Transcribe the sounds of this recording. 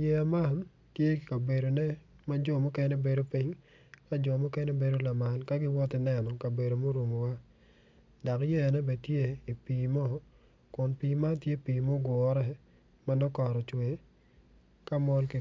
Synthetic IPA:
je˦a˨ma˦˨n | tje˦˨ka˨be˨do˨nɛ˦ | ma˦d͡ʒɔ˨mɔ˦kɛ˦nɛ˦be˨do˦pi˦ɲ | ka˦d͡ʒɔ˨mɔ˦kɛ˦nɛ˦be˨do˦la˨ma˨lka˦ɡɪ˦wɔ˦tɪ˨nɛ˦˨nɔ˨ka˨be˨do˨mo˦ɾo˨mo˨wa˦ | da˨kje˦a˨nɛ˦be˨tje˦i˨piː˨mɔ˦ | kʊ˨npiː˨ma˦tje˦piː˨mo˦ɡwɔ˨ɾɛ˦ | ma˦nɔ˦kɔ˨ɾɔ˨t͡ʃwe˨ | ka˦mɔ˦lki˨

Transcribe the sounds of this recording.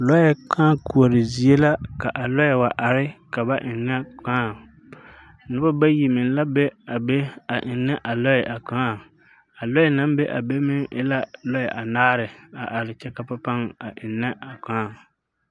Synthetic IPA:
lɔ˦jɛ˨kʰaː˦ku˨o˨ɾɪ˨zi˨e˦la˦ka˨ʔa˨lɔ˦jɛ˨wa˨ʔa˨ɾɪ˦ka˨ba˦ʔɪ˨nːɛ˦kaː˦ | nʊ˦ba˦ba˦ji˨mɪ˨n˦la˦be˦a˨be˦a˨ʔɪ˨nːɛ˦ʔa˨lɔ˦jɛ˨ʔa˨kaː˦˨ | a˨lɔ˦jɛ˨na˦m˦be˦ʔa̰˨be˦mɪ˦ŋʔɪ˦la˦lɔ˦jɛ˨ʔa˨naː˦ɾɪ˨a˨ʔa˨ɾɪ˨t͡ʃɛ˦ka˨pa˦pa˦ŋa˨ʔɪ˨nːɛ˦ʔa˨kaː˦˨

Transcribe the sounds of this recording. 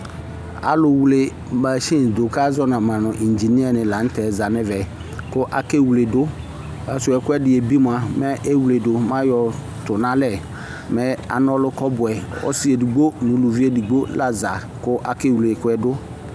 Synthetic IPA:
a̰˨lʊ˨wu˨le˨ | ba˨ʃi˦n˨do˨ka˦zɔ˦nã˨mã˨nʊ̃˨ʔi˨nd͡ʒi˨ni˦ɛ˦nɪ̃˨la˨n̩˦tɛ˨za˨nɪ˦vɛ˨ | kʊ˦ʔa˨ke˦wu˨le˨dʊ˦ | a˨sʊ˨ɛ˨kɛ˦dɪ˨e˨bi˦mʊ˨a˨mɛ˦ʔe˦wu˨le˨dʊ˨mã˦jɔ˨ | tʊ˨nã˦lɛ˨ | mɛ˦a̰˨nɔ˦lʊ˦kɔ˦bʊ˨ɛ˨ɔ̰˦sɪ˦e˨di˨ɡ͡bo˦nʊ̃˨˦lu˨vi˦e˦di˨ɡ͡bo˦la˦za˨ | kʊ˦ʔa˨ke˦˨wu˨le˨kʊ˦ɛ˦dʊ˦

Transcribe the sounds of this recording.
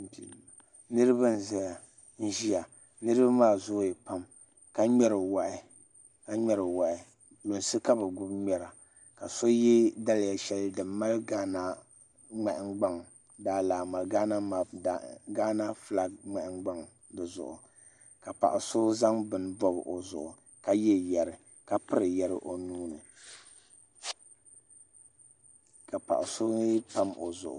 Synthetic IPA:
pi˨ma˨ | nɨ˦ɾɨ˦ba˦n˨za˦ja˨ | n̩˦ʒi˦a˨ | nɨ˦ɾɨ˦ba˦maː˦˨zʊ˦jɛ˨pa˦m | ka˦ɲɛ˦ɾɨ˨wa˨ʔɪ˨ | ka˦ɲɛ˦ɾɨ˨wa˨ʔɪ˨ | lo˨nsɨ˦ka˦bɨ˨ɡʊ˦bɲɛ˨ɾa˨ | ka˨so˦jɛ˦da˦lja˨ʃɛ˨˦ldɨ˨mːa˦lɡa˦na˦ | ŋ͡mɛ˨ʔɪ˨ŋɡ͡ba˦ŋ | daː˦laː˨ma˨lɡaː˦na˦ma˨ɡaː˦na˦fla˦ŋ͡mɛ˨ʔɪ˦ŋɡ͡ba˦ŋ | dɨ˨zʊ̰˨ʔʊ̰˨ | ka˨pa̰˨ʔʊ˨so˦za˦ŋbɨ˨n˦bɔ˦b̰ʔo˨zʊ̰˨ʔʊ˨ | ka˦jɛ˦jɛ˨ɾɨ˨ | ka˦pɨ˦ɾɨ˨jɛ˨ɾɨ̰˦ʔo˨nuː˦nɨ˨ | ka˨pa̰˨ʔʊ˨so˦n˦pa˦mo˨zʊ̰˨ʔʊ̰˨

